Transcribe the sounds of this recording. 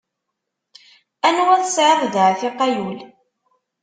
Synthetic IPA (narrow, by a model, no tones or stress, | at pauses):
ænwæθsʕəðˤðəʕθɪqɑjul